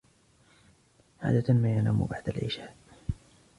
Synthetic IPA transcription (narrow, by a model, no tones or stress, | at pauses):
ʕa̰ːd̪at̪amaːjalaːmṵbaʕd̪a̰lʕɪ̰ʃaːʔ